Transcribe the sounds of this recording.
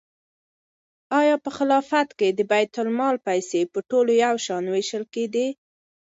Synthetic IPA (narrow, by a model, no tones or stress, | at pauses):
ɑjɑpəxɪlɑfat̪ked̪əbajt̪ʊlmɑlpajsepəʈolojawʃɑnweʃəlked̪i